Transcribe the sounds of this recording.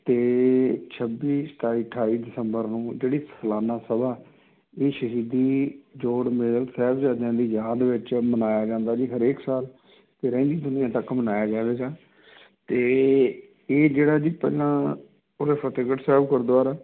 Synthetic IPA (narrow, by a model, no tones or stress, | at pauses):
t̪eːt͡ʃʰəbːiːsʈ̪aːiːʈʰaːiːd̪ɪsəmbəɾnũːd͡ʒeːɽiːsəlaːnaːsəbaː | eːʃəɦiːd̪iːd͡ʒoːɽmelsɛːbd͡ʒaːd̪jãːd̪iːjaːd̪ʋɪt͡ʃmənaːjaːd͡ʒãːnd̪aːd͡ʒiːɦəɾeːksaːl | t̪eːɾɛ̃ːnd̪iːd̪ʊnɪjãːt̪əkmənaːjaːd͡ʒaːʋeːɡaː | t̪eː | eːd͡ʒeːɽaːd͡ʒiːpɛ̰ːlãː | od̪eːpʰət̪eːɡəʈsɛːbkəɾd̪oaːɾaː